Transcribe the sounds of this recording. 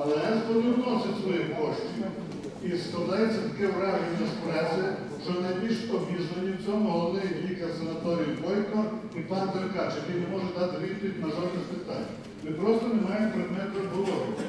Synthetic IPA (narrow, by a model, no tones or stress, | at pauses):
ɐlˠɛzbɔʋɪɾnɔsʲɐsʋɔjimkɔʃt͡ʃʲij | isklˠɐd̪ɑjet͡sʲːɐt̪ɐkɪʋɾɑʒinɐspɾɛsʲɪ | t͡ʃɔnɐjbʲilʲʃɔbʲiʒnenʲiwt͡sʲɔmʊɦɔlˠɔʋnɪjɦlʲikɐsɐnɐt̪ɔɾʲijibɔjkɔ | ipɑnt̪eɾkɑt͡ʃjɐkɛjnemɔʒɛd̪ɑt̪ɪʋʲit̪̚pɔʋʲitʲmɐʒɔd̪nɪspɪt̪a̰nʲ | mɪpɾɔst̪ɔnemɑjempɾɪd̪mɛt̪ɐɦɔlˠɔɾʊ